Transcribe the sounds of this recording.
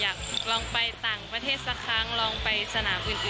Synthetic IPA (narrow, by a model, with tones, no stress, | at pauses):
jaː˨˩k̚t̪ʰu˨˩k̚lɔː˧ŋpa˧jt̪aː˨˩ŋpɾa˧t̪ʰeː˥˩t̪̚sa˧kʰaː˧˥ŋlɔː˧ŋpa˧jsa˧naː˩˦mbɯ˨˧˩ʔ